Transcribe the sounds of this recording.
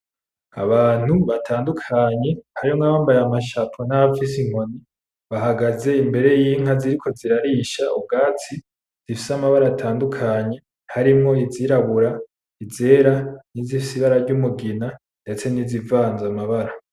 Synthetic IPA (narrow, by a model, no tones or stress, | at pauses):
a̰βaːn̥huβatʰaːndukʰaɲe̞haɾioŋaβaːmbajamaʃapʰonaβafis̬iŋ̥o̞ni | βaɦaɡaze̞imbe̞ɾe̞jiːŋ̥aziɾikʰo̞ziɾaɾiʃaub̚ɡaːt͡si | z̥ifi̥samaβaɾaatʰaːndukʰaɲe̞ | haɾimŋo̞iziɾaβuɾa | ize̞ːɾanizifisiβaɾaɾɟumuɡina | nde̞t͡se̞nizivaːnzamaβaɾa